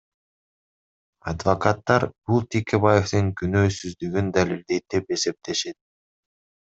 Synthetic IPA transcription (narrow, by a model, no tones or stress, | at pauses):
ɑd̪vokat̪ːɑɾb̥ulˠt̪ʲikʲeβajeft̪ɯŋkynøːsyzd̪yɡynd̪alild̪e̞jt̪ːe̞pe̞se̞p̚t̪e̞ʃe̞t̪̚